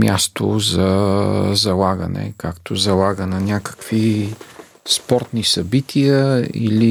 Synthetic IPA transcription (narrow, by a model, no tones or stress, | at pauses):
mʲja̰st̪o̰zɐ | zɐlˠaɡə̰nɛ̰kakt̪ozɐlˠaɡənɐnʲakə̥kv̥i | spɔɾt̪nisɐbit̪ʰijəḭli